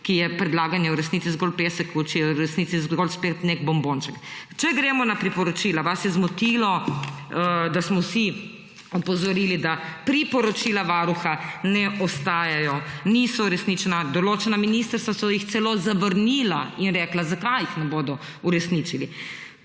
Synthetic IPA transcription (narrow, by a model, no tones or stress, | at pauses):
kijɛpɾɛd̪laːɡanjɛuɾɛsnit̪sizɡɔlpeːsɛkːɔt͡ʃɛjɛuɾɛsnit̪sizɡɔlspet̪neɡbɔmbont͡ʃɛkt͡ʃɛɡɾɛːmɔnapɾipɔɾɔt͡ʃiːlaʋasjɛzmɔt̪ilɔ | d̪asmɔwsi | ɔpɔzɔɾiːlid̪apɾipɔɾɔt͡ʃiːlaʋaːɾuxanɛʔɔst̪aːjajɔnisɔuɾɛsnit͡ʃɛnad̪ɔloːt͡ʃɛnaminist̪əɾst̪ʋasɔjixt̪sɛlozaʋəɾniːlainɾɛːklazakajixnɛboːd̪ɔ | uɾɛsnit͡ʃili